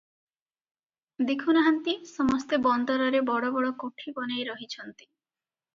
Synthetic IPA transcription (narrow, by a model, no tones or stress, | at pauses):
d̪ikʰunaɦant̪isɔmɔst̪ebɔnd̪ɔɾɔɾebɔɽobɔɽokoʈʰibɔnejɾɔɦit͡ɕʰɔnt̪i̥